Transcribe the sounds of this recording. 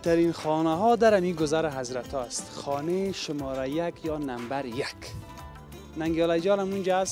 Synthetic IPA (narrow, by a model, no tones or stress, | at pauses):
t̪aɾinxɔːnaɦɔːd̪aɾamiɡʊzaɾaɦazɾat̪ʰɔast̪xɔːneʃʊmɔːɾajakjɒːnambaɾjak | naŋɡɔlajd͡ʒɔːlamund͡ʒaas